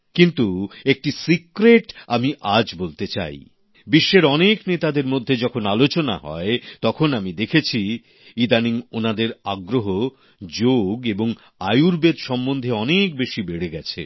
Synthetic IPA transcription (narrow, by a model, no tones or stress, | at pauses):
kint̪uek̚ʈisikɾeʈamiʔad͡ʑbolt̪et͡ɕa̰j | biʃːeɾɔneknet̪ad̪eɾmod̪ʱːed͡ʑɔkʰonalot͡ɕona̰ɦɔ̰et̪ɔkʰonamid̪ekʰet͡ɕʰi | id̪aniŋonad̪eɾaɡɾoɦo | d͡ʑoɡeboŋ | ajuɾbed̪ʃɔmːond̪ʱeɔnekbeʃibeɽeɡɛt͡ɕʰḛ